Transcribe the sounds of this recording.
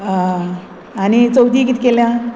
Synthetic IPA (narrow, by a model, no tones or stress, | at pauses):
anit͡səwt̪iːkit̪ikeljã